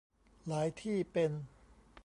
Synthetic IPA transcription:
laː˩˦jt̪ʰiː˥˩pe˧n

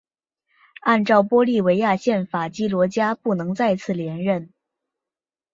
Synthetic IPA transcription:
a˥˧nʈ͡ʂɑ˥˩ʊpwɔ˥li˥˩we˧˥ɪja˥˧ɕjɛ˥˩nfa˨˩t͡ɕi˥lwɔ˧˥t͡ɕja˥pu˥˩nɤ˧˥ŋt͡sa˥˧ɪt͡sʰɹ̩˥˩ljɛ˧˥nɻə˥˩n

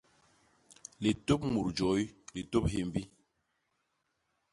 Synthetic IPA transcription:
le˨to˦p̚mu˨ɾd͡ʒɔ˨˦jle˨to˦p̚ɦe˦˨m˦bi˦

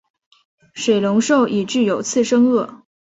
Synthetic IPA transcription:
ʂwe˨˩ɪlʊ˧˥ŋʂo˥˩ʊʔi˨˩ʈ͡ʂɻ̩˥˩jo˨˩ʊt͡sʰɹ̩˥˧ʂɤ˥ŋɤ˥˩

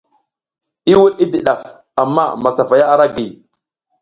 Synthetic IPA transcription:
i˦wu˦ɗi˦di˨ɗa˨f | a˨mːa̰˦ma˨sa˨fa˨ja˦a˦ɾa˦ɡi˨

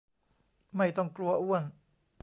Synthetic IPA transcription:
ma˥˩jt̪ɔ˥˩ŋklu˧ɐʔu˥˩ən

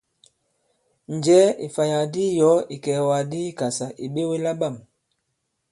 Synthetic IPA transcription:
n˨d͡ʒɛ˨˦i˨fa˨ja˨di˦jɔ˨˦i˨kɛ˨wa˨di˦i˦ka˨sa˨ʔi˨ɓe˦we˦la˦ɓa˦˨m

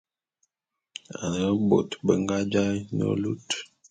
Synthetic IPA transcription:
a̰˨nə˦bo̰˨tbə˨ŋɡa˦d͡ʒa˦no̰˨lu˦t

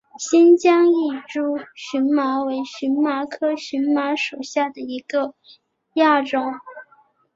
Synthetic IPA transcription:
ɕi˥nt͡ɕjɑ˥ŋi˥˩ʈ͡ʂu˥ɕy˧˥nma˧˥we˧˥ɪɕy˧˥nma˧˥kʰɤ˥ɕy˧˥nma˧˥ʂo˨˩ʊɕja˥˩d̪ə˩i˧˥ɡ̥ə˧ | ja˥˩ʈ͡ʂʊ˥˩ŋ

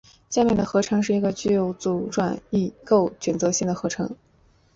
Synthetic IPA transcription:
ɕja˥˧mjɛ˥˩nd̪ə˩xɤ˧˥ʈ͡ʂʰɤ˧˥ŋʂɻ̩˥˩i˧˥ɡə˧t͡ɕy˥˧jo˧˥ʊt͡su˨˩ʈ͡ʂwa˨˩ni˥˩ko˥˩ʊɕʰɥɛ˨˩nt͡sɤ˧˥ɕi˥˩ŋd̪ə˩xɤ˧˥ʈ͡ʂʰɤ̰˧˥ŋ

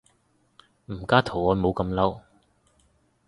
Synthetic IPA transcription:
m̩˨˩kaː˥t̪ʰo˨˩wɔː˨˧mo˨˧wkɐ˧mlɐ˥w

